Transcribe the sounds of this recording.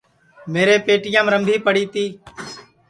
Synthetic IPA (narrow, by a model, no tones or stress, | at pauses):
meːɾeːpeːʈɪjãːmɾəmbʱiːpəɽiːt̪iː